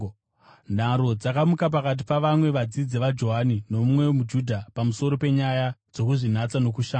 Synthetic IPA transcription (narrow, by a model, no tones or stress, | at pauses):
ndaɾo̞d͡zakamukap̬akat̬ipaʋamwe̞ʋad͡zid͡zeʋad͡ʒo̞ɦanino̞mumwe̞mud͡ʒudʱapamuso̞ɾo̞pe̞ɲajad͡zo̞kuʐin̤at͡sano̞kuʃaːa